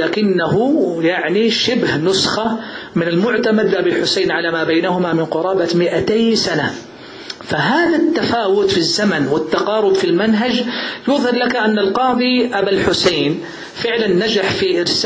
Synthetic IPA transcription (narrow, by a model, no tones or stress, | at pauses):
laːkɪnːaɦʊjaʕniʃɪbhnʊsxamɪnalmʊʕt̪amad̪ʔabilħʊsajnʕalaːmaːbajnaɦʊmamɪnqʊɾˤɑːbamɪʔat̪ajsana | faɦaːðat̪ːafaːwʊt̪fizːamanwɪt̪ːɑqɑːɾʊbfilmanɦad͡ʒjʊðˤhɪɾlakaʔanːalqɑːðˤiʔabalħʊsaːn | fɪʕlanːad͡ʒaħfiʔɪɾs